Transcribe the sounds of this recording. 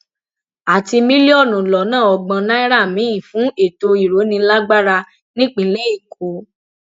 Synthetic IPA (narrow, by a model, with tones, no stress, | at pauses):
a˨ti˧mĩ˦le˦ɔ˦˨nũ˨lɔ˨nãː˦˨ɔ˨ɡ͡bã˧nã˦i˦ɾa˦˨mĩ˨˦ĩ˦˨fũ˨˦e˦˨to˧i˨ɾo˨˦nĩ˧˦la˦ɡ͡ba˦ɾa˧ | nĩ˦k͡pĩ˨˦le˦i˦˨kʰo˨˦